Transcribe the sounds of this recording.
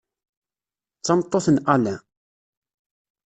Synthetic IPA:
t͡sːɑmt̪ˤːoθənælæ

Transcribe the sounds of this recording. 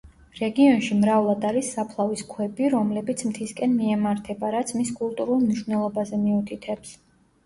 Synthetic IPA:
ɾɛɡiɔnʃimɾavlˠad̪aɾisːapʰlˠaviskʰwɛbiɾɔmlɛbit̪sʰmt̪ʰiskʼɛnmiɛmaɾt̪ʰɛbaɾat̪sʰmiskʼulˠt̪ʼuɾulˠmniʃwvnɛlˠɔbazɛmiut̪ʰit̪ʰɛps

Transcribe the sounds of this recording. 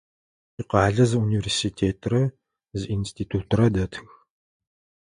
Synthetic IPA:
iqɑːɮɐzɨuniversiːtʰeːtʰrɐ | zinstʰiːtʰuːtʰrɐdɐtʰɨx

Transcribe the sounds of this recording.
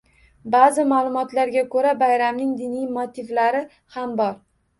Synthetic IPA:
bazɪmaːlˠʊmɒt̪laɾɡʲakʰɵɾabajɾamnɪŋd̪ɪnijmot̪ʰɪvlaɾɪ | hambɒɾ

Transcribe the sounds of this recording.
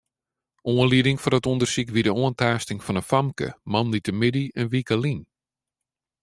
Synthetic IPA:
oənliədɪŋfɔdətundərsikʋidəoəntaːstɪŋfɔnəfamkə̰manlitəmɪdiɛnʋikəlin

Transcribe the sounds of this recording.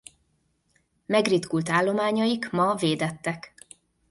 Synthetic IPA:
mɛɡrit̪kult̪aːlːo̞maːɲɒjikmɒveːd̪ɛt̪ːɛk

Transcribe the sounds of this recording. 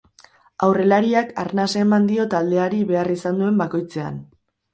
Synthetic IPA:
awre̞laɾiaka̰ɾnaseːmand̪io̞t̪ald̪e̞aɾiβe̞arisand̪ue̞mbako̞jt͡se̞a̰n

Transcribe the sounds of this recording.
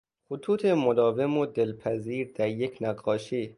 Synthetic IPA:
xʊt̪ʰuːt̪ʰemod̪ɒːve̞mod̪elpʰæziːɾd̪̥æɾjekʰnæɡɒːʃiː

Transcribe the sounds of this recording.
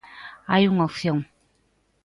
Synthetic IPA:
ajuŋɔfjɔŋ

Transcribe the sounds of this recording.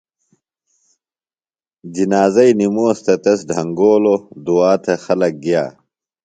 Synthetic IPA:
d͡ʑinaːzɐinimuɐst̪ʰɐt̪ɐs̬ɖʱɐŋɡoːlod̪uaːt̪ʰexɐlɐk̚ɡijaː

